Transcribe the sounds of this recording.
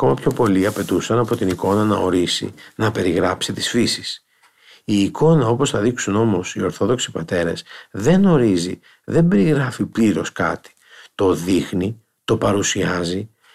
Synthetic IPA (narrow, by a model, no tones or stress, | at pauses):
ɐko̞mɐpço̞po̞liɐpe̞t̪usɐnɐpo̞t̪iniko̞nɐnɐo̞ɾisḭnɐpe̞ɾiɣɾɐpsit̪i̥sfisi̥s | iːko̞nɐo̞po̞sθɐðiksuno̞mo̞sio̞ɾθo̞ðo̞ksi̥pɐt̪e̞ɾesðe̞no̞ɾizi | ðe̞mbe̞ɾiɣɾɐfipliɾo̞skɐ̰t̪i̥ | t̪o̞ðixni | t̪o̞pɐɾusiɐzi